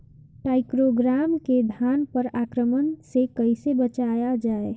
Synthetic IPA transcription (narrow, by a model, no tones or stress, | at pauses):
ʈaɪkɾoɡɾaːmked̪ʱjaːnpəɾaːkɾəmənsekəɪsebət͡ʃajad͡ʒaːe